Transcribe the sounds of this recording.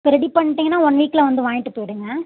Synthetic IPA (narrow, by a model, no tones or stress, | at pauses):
pɪɾɐðipɐɳːɪʈːiːŋɡɐnːaːɔnːʋiːkːɪlɐʋɐnd̪ɯʋaːŋɪʈːɯpoːjɪɽɯːŋɡɐ